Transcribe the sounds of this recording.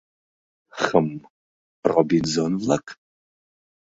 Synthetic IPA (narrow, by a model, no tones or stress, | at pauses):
χəm | rɔbizonlɐkʰ